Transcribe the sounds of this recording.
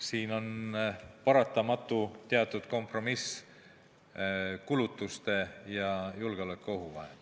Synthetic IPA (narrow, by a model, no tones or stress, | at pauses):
siːno̞n | pɑɾɑt̪ːˑɑmɑt̪ːˑut̪e̞ɑt̪ːˑud̪̥̚ko̞mpro̞mis | kulut̪ːˑust̪e̞jɑjulɡ̥eo̞lekːˑeo̞ɦuvɑ̰ɦe